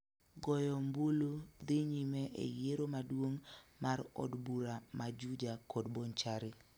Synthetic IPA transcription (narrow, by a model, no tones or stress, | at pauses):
ɡɔjɔmbulud̪ɪɲimɛʔḛjeɾomadwoŋmarɔ̰dbuɾamad͡ʒud͡ʒakɔdbont͡ʃaɾɪ